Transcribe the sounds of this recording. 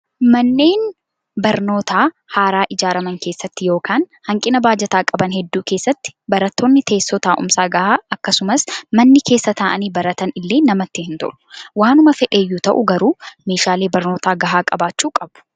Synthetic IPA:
mɐnːe̞ːn | bɐɾno̞ːt̪ʰaː | haːɾaːʔɪd͡ʒaːɾɐmɐŋke̞ːsːɐt̪ːɪjo̞ːkaːnhɐŋkʼɪnɐbaːd͡ʒɛt̪aːkʼɐbɐnhɛd̪ːuːke̞ːsːɐt̪ːɪ̥bɐɾɐt̪ːoːnːɪt̪ʰe̞ːsːɔt̪aːʔʊ̰msaːɡɐhaːɐkːɐsʊmɐsmɐnːɪkʰeːsːɐt̪aːʔɐniːbɐɾɐt̪ɐnɪlːe̞ːnɐmɐt̪ːɪhɪnt̪ʊ̰ʔʊ̥waːnʊmɐfɛᶑe̞ːjːuːt̪ɐʔʊɡɐɾuːme̞ːʃaːle̞ːbɐɾno̞ːt̪aːɡɐɦaːkʼɐbaːt͡ʃːuːkʼɐbʊ̥

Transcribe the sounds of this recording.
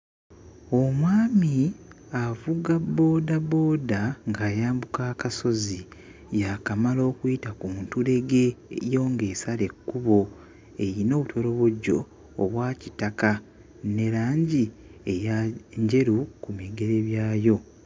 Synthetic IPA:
omwaːmi | avuɡabːo̞ːdabo̞ːdaŋɡaːjaːmbukakaso̞zi | jakamalo̞ːkuitakuntule̞ɡe̞jo̞ːŋɡe̞ːsale̞kːuβo̞ | e̞ɾino̞ːβutʰo̞ɾo̞βoɟo̞ː | βwaːcitaka | ne̞ɾaːɲɟiejaɲɟe̞ɾukumiɡe̞ɾe̞βjaːjo̞

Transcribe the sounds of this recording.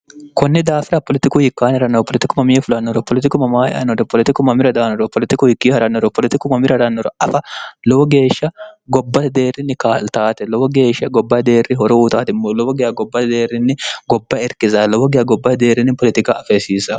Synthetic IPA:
kɔnːɪd̪aːfɪɾɐpɔlɪt̪ɪkʊhɪkːaːnhɐɾɐnːɔpɔlɪt̪ɪkʊmɐmɪjɛfʊlɐnːɔɾɔpɔlɪt̪ɪkʊmɐmaːɛ̰ʔɐ̰nːɔɾɔpɔlɪt̪ɪkʊmɐmɪɾɐd̪aːnɔɾɔpɔlɪt̪ɪkʊhɪkːihɐɾɐnːɔɾɔpɔlɪt̪ɪkʊmɐmɪɾɐd̪anːɔɾɔʔɐfɐlɔwɔɡe̞ːʃːɐɡɔbːɐt̪d̪e̞ːrːɪnːɪkaːlt̪aːt̪ɛlɔbɔɡe̞ːʃːɐɡɔbːɐd̪e̞ːrːɪɦɔɾɔuːt̪aːt̪ɪmːɔlɔbɔɡɪɐɡɔbːɐt̪d̪e̞ːrɪnːɪɡɔbːɐɛɾkɪzɐlɔbɔɡɪɐɡɔbːɐd̪e̞ːrɪnɪpɔlɛt̪ɪkaɐfesiːsɐ

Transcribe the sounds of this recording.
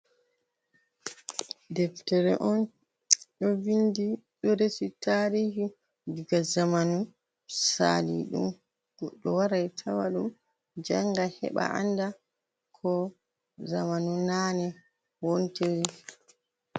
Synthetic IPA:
dɛftɛɾɛʔɔn | ɗɔvindiɗɔɾesitaːɾiːhi | diɡazamanu | sa̰lḭɗṵm | ɗɔwaɾajtʰawaɗum | d͡ʒaŋɡahɛ̰ɓa̰ʔa̰nda | kʰɔ | zamanunanɛ | wonteɾi

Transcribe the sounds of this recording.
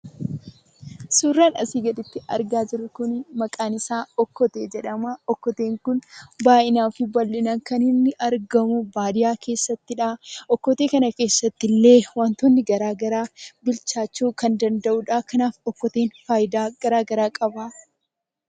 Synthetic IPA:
suːrːaːnɐ̰siːɡɐᶑ̪ɪt̪ːɪʔɐ̰ɾɡaːd͡ʒɪɾʊkʊnmɐkʼaːnɪsaːɔkːɔt̪eːd͡ʒɛᶑɐmaːɔkːɔt̪e̞ːŋkʊnbaːʔɪnaːfɪbɐlːɪnɐŋkɐnhɪnːɪʔɐɾɡɐmʊbaːd̪ɪjaːkʰe̞ːsːɐt̪ːɪᶑaːʔɔkːɔt̪e̞ːkɐnɐke̞ːsːɐt̪ːɪlːe̞ːwaːnt̪onːɪɡɐɾaːɡɐɾaːbɪlt͡ʃaːt͡ʃːuːkɐnd̪ɐnd̪ɐʔʊᶑaːkɐnaːfɔkːɔt̪e̞ːnfaːjɪd̪aːɡ̥ɐɾaːɡɐɾaːkʼɐbaː

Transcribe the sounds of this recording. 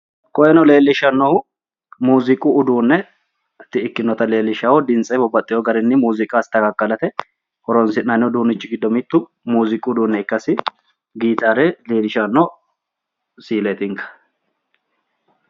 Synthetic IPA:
kʼɔjɛnɔle̞ːlːɪʃɐnːɔhʊ | muːzɪkʼʊːd̪uːnːɛ | t̪ːɪɪkːɪnːɔt̪ɐle̞ːlːɪʃawɔd̪ɪnt͡sʼɛbɔbːɐt̪ʼːɪjɔɡɐɾɛnːɪmuːzɪkʼaːst̪ɐɡɐkːɐlɐt̪ɛ | hɔɾɔnsɪnɐnɔd̪uːnːɪt͡ʃːɪɡɪd̪ːɔmɪt̪ːʊ | muːzɪkʼːʊd̪uːnːɛɪkːɐsɪ | ɡiːt̪aːɾɛleːlɪʃanːɔ | siːlet̪ɪŋkɐ̥

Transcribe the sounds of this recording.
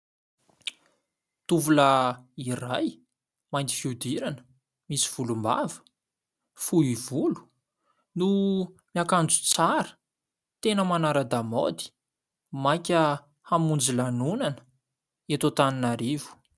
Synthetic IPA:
t̪uvulairaj | majnt̪i̥fiud̪iɾanə̥ | misi̥v̥ulumba̰və̥ | fuivulu̥ | numiakand͡zu̥t͡saɾə̥ | t̪enəmanaɾad̪amo̰d̪i̥ | majkʲə | hamund͡zilanunanə̥ | et̪ot̪aninaɾivu̥

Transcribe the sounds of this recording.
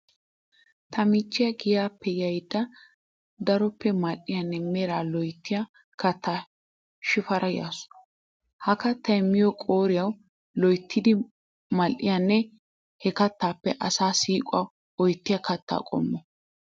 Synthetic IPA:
t̪ʰɐmɪt͡ʃːɪjɐɡɪjaːpːɛjɐjd̪ːɐ | d̪ɐɾɔpːɛmɐlʔɪjɐnːɛmɛɾaːlɔjt̪ːɪja | kɐt̪ʰːaː | ʃɪfɐɾɐja̰ːsʊ̥ | hɐkɐt̪ːɐɛmːɪjɔkʼoːɾɪjɐw | lɔjt̪ʰːɪd̪ɪ | mɐlʔɪ̰janːɛ | hɛkɐt̪ːaːpːɛʔɐsaːsiːkʼʊɐ | ɔjt̪ːɪjɐkɐt̪ʰːa̰ːkʼɔ̰mːɔ

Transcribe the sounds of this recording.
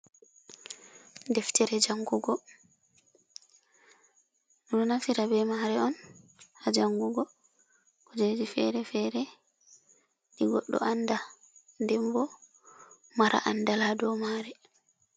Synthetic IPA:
dɛftʰɛɾɛd͡ʒaŋɡuɡɔ | ɗunɔnafiɾabɛmaɾɛɔn | had͡ʒaŋɡuɡɔ | kɔd͡ʒed͡ʒifɛɾɛfɛɾɛ | ɗiɡɔ̰ɗːɔ̰anda | ndɛmbɔ | maɾʔa̰ʔandaladɔmaɾɛ

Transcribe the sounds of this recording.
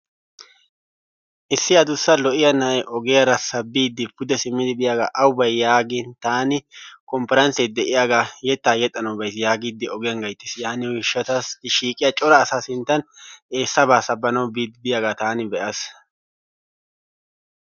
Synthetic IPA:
ʔɪsːɪɐd̪ʊsːɐlɔʔɪjɐnɐjʔɔɡɛjɐɾɐsɐbːiːd̪ːɪbʊd̪ɛsɪmːɪd̪ɪbɪjaːɡaʔɐwʊbɐjjaːɡɪnt̪aːnɪkɔmpɛɾɐnsed̪ɛʔɪjaːɡajɛt̪ːaːjɛt̪ʼːɐnɐwbɐjs̬jaːɡiːd̪ːɪɔɡɛjɐŋɡɐjt̪ːɪ̥sjaːnːɪwɪʃːɐt̪ɐsɪʃiːkʼɪjɐt͡ʃʼɔɾɐːsasɪnt̪ːɐne̞ːsːɐbaːsɐbːɐnɐwbiːd̪bɪjaːɡat̪aːnɪbɛʔɐs

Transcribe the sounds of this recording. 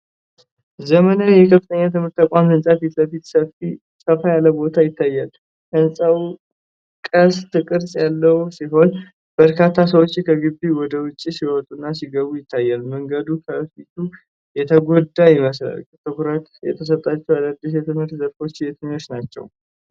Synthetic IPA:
zəmənawjɛkʰəfɨt̪ʰəɲːat̪ʰɨmhɨɾt̪ːəkʷʼamɨnsʼafit̪ləfit̪səfi | sʼəfajaləbo̞t̪ʰajɪt̪ʰːajːal | ʔɨnsʼaw | kʼəst̪ʰɨkʼɨɾsʼjalːəwsiɦo̞n | b̥əɾkʰat̪ʰːas̬əwot͡ʃːkʰəɡɨbːiwɔd̪əwʊt͡ʃʼːisiwɔt̪ʼːunːasiɡəβujɪt̪ʰːajːalməŋɡəd̪ukʰəfit̪ʰu | jɛt̪ʰəɡo̞d̪ːajɪməsla̰lkt̪ʰɨkuɾət̪jɛ̰t̪ʰəs̬ət̪ʼːat͡ʃːɛwaləd̪ːisjɛt̪ʰɨmhɨɾt̪zəɾfo̞t͡ʃːjet̪ʰɨɲːo̞t͡ʃːnat͡ʃːɛ̰w

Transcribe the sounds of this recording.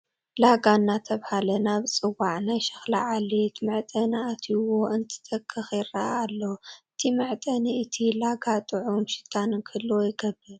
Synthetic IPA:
laɡanːat̪ʰɐβhalɐnaβt͡sʼɨwaʕnajʃɐ̥xlaʕalit̪mɨʕt̪ʼɐnaʔat̪ʰiwoʔɨnt̪ʰɨ̥t̪ʼɐkʼʰːɨxjɪraʔːlːoɨt̪ʰimɨʕt̪ʼɐniɨt̪ʰilaɡat̪ʼɨʕomʃɪ̥t̪ʰanɨkʰɨlːojɪɡɐbːɨl

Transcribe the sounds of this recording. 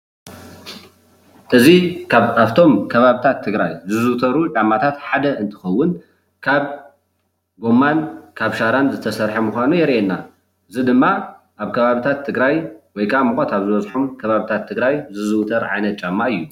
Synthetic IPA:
ʔɨzikʰaβaβt̪ʰo̞mkʰɐβaβit̪ʰat̪ʰːɨɡɾajzɨzɨwt̪ʰɐɾut͡ʃʼamːat̪ʰat̪ħad̪ɐɨnt̪ʰɨ̥xɐwːʊn | kʰaβ | ɡo̞mːankʰaβʃaɾanzɨt̪ʰɐsɐɾħɐmuxʷanujɛɾʔenːa | ʔɨzid̪ɨmːa | ʔaβkʰɐβaβit̪ʰat̪ʰːɨɡɾajwɔjkʰʼamɨxʷʼot̪aβzɨβɐzħumkʰɐβaβit̪ʰat̪ʰːɨɡɾajzɨzɨwt̪ʰɐɾʕa̰jnɐt̪̚t͡ʃʼamːaɨjːu

